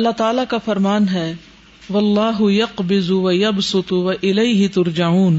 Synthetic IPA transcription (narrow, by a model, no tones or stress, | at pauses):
ɐlːat̪aːlakafɐɾmaːnɦɛː | ʋɐlːaːɦʊjɐqbɪzwɐjɐbsʊt̪ʋɐʔɪlejɦɪt̪ʊɾd͡ʒauːn